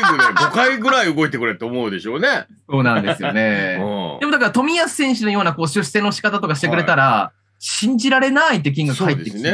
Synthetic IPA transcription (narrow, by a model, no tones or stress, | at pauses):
ɡɯɡokaiɡɯ̟ɾaiɯɡo̞it̪ekɯ̟ɾe̞ɾt̪o̞ːmoɯd̪e̞ɕo̞ːne̞so̞ːnã̰nd̪esɨjo̞ne̞d̪e̞mod̪ak̬aɾat̪o̞mʲijasɨ̥sẽ̞ɕ̬ino̞jo̞ːnako̞ːɕɨɕse̞ːnoɕi̥kat̪at̪o̞kaɕi̥t̪e̞kɯ̟ɾe̞t̪aɾa | ɕĩɲ̟d͡ʑiɾaɾe̞nait̪̬ːek̬ʲĩŋɡakhait̪eki